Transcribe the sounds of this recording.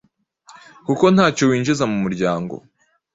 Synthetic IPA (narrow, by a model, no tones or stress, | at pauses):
kuko̞nhaːcowiːnd͡ʒizamumuɾɟaːŋɡo̰